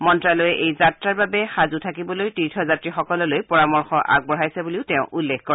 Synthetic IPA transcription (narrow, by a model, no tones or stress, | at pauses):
mɔntɹalojɛʔejzatɹaɹbabɛxazutʰakibɔlojtiɹtʰɔzatɹixɔkɔlɔlojpɔɹamɔɹxɔʔa̰ɡ̚bɔɹajsɛbuliʊtɛʊ̃ʔulːekkɔɹ